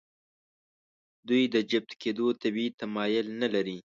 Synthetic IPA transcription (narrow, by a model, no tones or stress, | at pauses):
d̪ujd̪əd͡ʒɪb̚t̪ked̪ot̪abit̪amɑjʊlnalaɾi